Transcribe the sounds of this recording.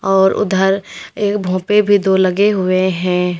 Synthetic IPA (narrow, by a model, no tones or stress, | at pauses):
ɔːɾʊ̰d̪ʱəɾeːkbʱõːpebʱid̪oːlɐɡeɦʊeɦɛ̃ː